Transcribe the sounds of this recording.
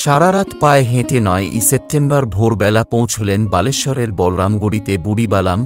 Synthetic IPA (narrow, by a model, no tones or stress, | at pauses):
ʃaɾaɾat̪paeɦẽt̪enɔeʔḭsep̚ʈembaɾbʱoɾbɛlapõwt͡ɕʰolenbaleʃɔɾeɾbɔlɾamɡuɽit̪ebuɽibalam